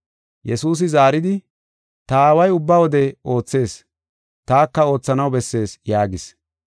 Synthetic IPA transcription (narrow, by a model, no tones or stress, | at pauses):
jɛsuːs̬ɪzaːɾɪd̪ɪ | t̪ɐːwɐjʊbːɐwɔd̪ɛo̞ːt͡sːe̞ːs | t̪aːkːɐo̞ːt͡sːɐnɐwbɛsːe̞ːsjaːɡɪs